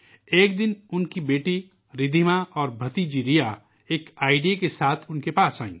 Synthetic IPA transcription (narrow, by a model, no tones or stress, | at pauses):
eːk̚d̪ɪnʊnkibeːʈi | ɾɪd̪ʱimaɔːɾbʱɐt̪id͡ʒiɾija | eːkaːɪɖijakesaːt̪ʰʊnkepaːsaːḭ̃ː